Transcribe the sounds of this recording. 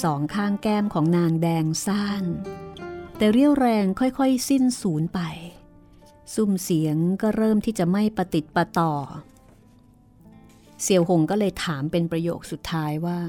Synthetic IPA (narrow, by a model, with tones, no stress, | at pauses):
sɔː˩˦ŋkʰaː˥˩ŋkɛː˥˩mkʰɔː˩˦ŋnaː˧ŋdɛː˧ŋsaː˥˩n | t̪ɛː˨˩ɾi˥˩əwɾɛː˧ŋkʰɔ˥˩jkʰɔ˥˩jsi˥˩nsuː˩˦npa˧j | su˧˩msi˩˦əŋkɔː˥˩ɾɤː˥˩mt̪ʰiː˥˩t͡ɕa˨˩ma˥˩jpa˧t̪i˨˩t̪̚pa˧t̪ɔː˨˩ | si˨˩˦əwho˧˩ŋkɔː˥˩lɤː˧jt̪ʰaː˩˦mpe˧npɾa˧jo̰ː˨˩k̚su˨˩t̪ʰːaː˦˧˥jwaː˥˩